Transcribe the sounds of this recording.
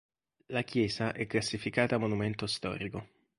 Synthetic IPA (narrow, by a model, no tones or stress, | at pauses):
lak̟jɛːzaʔɛkːlasːifikaːt̪amonument̪ost̪ɔ̰ːɾiko